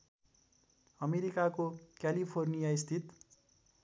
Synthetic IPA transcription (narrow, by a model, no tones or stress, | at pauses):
ʌmeɾikakokjalipʰornijaist̪ʰit̪